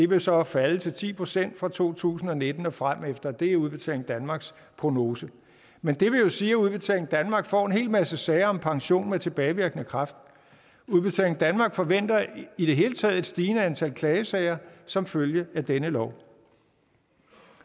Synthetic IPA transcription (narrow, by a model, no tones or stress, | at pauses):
d̥e̝ʋe̝sɒ̽fælət͡sʰe̝lt͡sʰḭːpʰʁosen̰d̥fʁɑ̈t͡sʰo̝̰ːt͡sʰṵːsn̩ɒ̽ne̝d̥n̩ɒ̽fʁam̰efd̥ɐd̥e̝æuð̞ˠb̥e̝t͡sʰɛ̰leŋ̩d̥ænmɑ̈ːɡ̥s | pʰʁo̝no̝ːsə | mend̥e̝ʋe̝jo̝siːuð̞ˠb̥e̝t͡sʰɛ̰leŋ̩d̥ænmɑ̈ːɡ̥fɒ̰ːe̝nɦe̝̰ːlmæsəsɛɪɐɒ̽mpʰɑ̈ŋɕo̝̰ːnmet͡sʰe̝b̥ɛːɪʋiɐɡ̥nəkʰʁɑ̈fd̥ | uð̞ˠb̥e̝t͡sʰɛ̰leŋ̩n̩d̥ænmɑ̈ːɡ̥fɒ̽ʋen̰d̥ɐiɾ̥e̝ɦe̝ːlət͡sʰɛ̰ð̞̩ˠe̝d̥sd̥iːnəænt͡sʰæl̰kʰlɛːəsɛɪɐsɒ̽mføljəæd̥enəlɒʊ̰